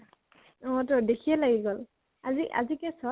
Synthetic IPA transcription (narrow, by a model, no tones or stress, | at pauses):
ɔ̃tɔɹdekʰijɛlaɡiɡɔl | aziʔa̰zikɛsɔ